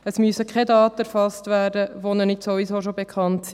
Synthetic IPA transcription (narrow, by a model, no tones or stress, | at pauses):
əsmyəsəkʰɛdɑːtəæɾfɑstʋæːɾdəʋonənɪtsovizoʃobekʰχɑntsi